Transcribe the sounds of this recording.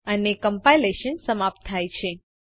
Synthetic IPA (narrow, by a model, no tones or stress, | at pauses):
ənekəmpaileʃənsəmap̚t̪ʰːajt͡ʃʰe